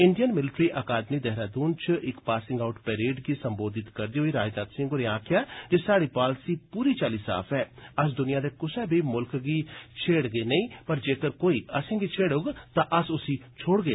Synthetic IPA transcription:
ɪɳɖijənmɪlɪʈɾiːʔəkaːd̪miːd̪ɛɦɾaːd̪uːnt͡ʃʔɪkpaːsɪ̃ŋɡaʊʈpɛːɾeːɖɡiːsəmboːd̪ɪt̪kəɾd̪iːɦoːiːɾaːd͡ʒd̪aːt̪sɪ̃ŋɡʊɾeãːkʰɪjaːt̪eːsaːɽiːpaːlsiːpuːɾiːt͡ʃaːliːsa̰ːpʰɛːəs̬d̪ʊnɪjãːd̪eːkʊsɛːbʱiːmʊlkɡiːt͡ʃʰeːɽɡeːnəĩːpəɾd͡ʒeːkəɾkoːiːəsɪ̃ːɡiːt͡ʃʰeːɽʊɡt̪ãːʔəsʊsiːt͡ʃʰoːɽɡeː

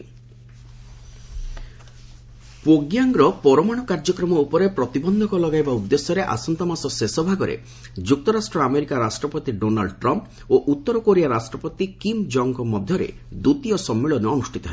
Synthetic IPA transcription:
poɡjaŋɡɾɔpɔɾɔmaɽ̃ɔkaɾd͡ʒɔkɾɔmɔupɔɾepɾɔt̪ibɔnd̪ʱɔkɔlɔɡajbaud̪ːesjɔɾeʔa̰sɔnt̪ɔmasɔsesɔbʱaɡɔɾḛ | d͡ʒuk̚t̪ɔɾasʈɾɔameɾikaɾasʈɾɔpɔt̪iɖona̰lɖɔʈɾɔmp | oʔut̪ːɔɾɔkoɾiaɾasʈɾɔpɔt̪ikimd͡ʒɔŋkɔmɔd̪ʱjɔɾḛ | d̪ut̪ijɔsɔmːiɭɔneɔnusʈʰit̪ɔɦe

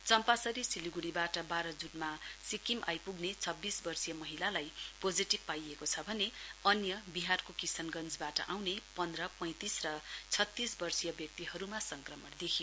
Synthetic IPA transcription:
t͡sʌmpasʌɾisiliɡuɽibaʈʌbaɾʌd͡zunmasikimʔa̰jpuɡnet͡sʰʌbːisbʌrsijʌmʌɦilalajpod͡ziʈibpajekot͡sʰʌbʱʌneʌnjʌbiɦarkokisʌnɡʌnd͡zbaʈʌ̰ʔawnepʌnd̪rʌpʌ̃j̃t̪isrʌt͡sʰʌt̪ːisbʌrsijʌbjʌk̚t̪iɦʌɾumasʌŋkrʌmʌʈd̪ekʰijo

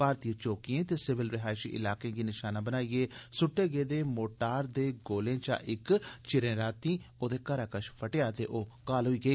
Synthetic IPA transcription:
paːɾt̪iːət͡ʃoːkiẽːt̪eːsɪʋɪlɾɪɦaːɪʃḭːʔɪ̰laːkẽːɡiːnɪʃaːnãːbənaːieːsʊʈːeːɡeːd̪eːmoːʈaːɾd̪eːɡoːlẽːt͡ʃa̰ːʔɪkt͡ʃɪɾẽːɾaːt̪ĩːoːd̪eːkəɾaːkəʃpʰəʈeːaːt̪ḛːʔoːkaːlɦʊiːɡəiː

